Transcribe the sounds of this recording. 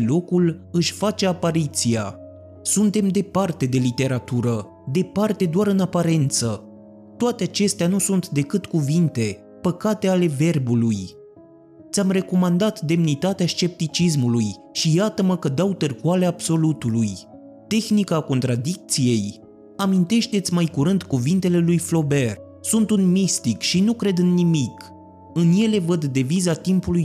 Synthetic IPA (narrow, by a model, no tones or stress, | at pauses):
lo̞kulɨʃʲfat͡ʃe̞apaɾit̪sija | sunt̪e̞md̪e̞part̪e̞d̪e̞lit̪e̞ɾat̪uɾə | d̪e̞part̪e̞d̪oaɾɨnapaɾe̞nt̪sə | t̪oat̪eat͡ʃe̞st̪eanusunt̪d̪e̞kɨt̪kuvint̪e̞ | pəkat̪e̞ale̞ve̞rbuluj | t̪sʲamre̞ko̞mand̪at̪d̪e̞mnit̪at̪eaʃt͡ʃe̞p̚t̪it͡ʃis̬mulujʃijat̪əməkəd̪awt̪ɨrkualeabso̞lut̪uluj | t̪e̞xnikaːko̞nt̪ɾad̪ik̚t̪sije̞j | amint̪e̞ʃt̪e̞t̪sʲmajkuɾɨnd̪kuvint̪e̞le̞lujflo̞be̞r | sunt̪unmist̪ikʃinukɾe̞d̪ɨnːimik | ɨnje̞le̞vəd̪ːe̞vizat̪impuluj